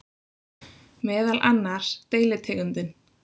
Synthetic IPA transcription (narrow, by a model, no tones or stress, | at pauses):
mɛːðalʔanːḁt̪eːjlɪt̪ʰɛːɣʏnt̪ɪn